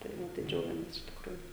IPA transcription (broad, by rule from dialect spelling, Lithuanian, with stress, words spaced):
tɐɪ ˈʋɐ tɐɪ ˈd͡ʒʲɛʊɡʲɛmʲeːs ɪʃ tʲɪkˈruːjʊ